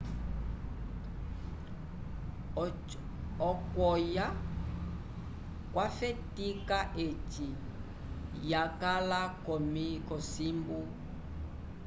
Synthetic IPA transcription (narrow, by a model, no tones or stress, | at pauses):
ɔkwɔja | kwafɛtikaʔet͡ʃi | jakalakɔmikɔsimbu